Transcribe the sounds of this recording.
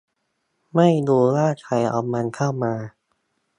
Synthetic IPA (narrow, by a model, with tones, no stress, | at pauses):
ma˥˩jduː˧ɾaː˥˩kʰa˧˩jʔa̰˧wma˧nkʰa˥˩wmaː˧